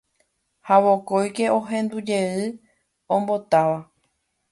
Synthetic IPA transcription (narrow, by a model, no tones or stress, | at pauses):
haʋo̞kojke̞ʔõ̞ɦẽ̞nd̪ud͡ʒe̞ɨ | õmbo̞t̪aʋa